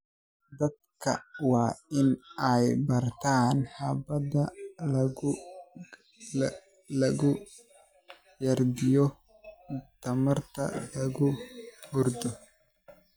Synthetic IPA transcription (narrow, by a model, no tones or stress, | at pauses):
d̪ɐd̪kʰɐ̰wɑːɪnɛjbɐrt̪ʰaːnhɑbɐdɐl | lɐɣʊ | jɐrd̪ɪjɔ | t̪ʰɐmɐrt̪ʰɐ̰lɐɣʊhʊrd̪ɔ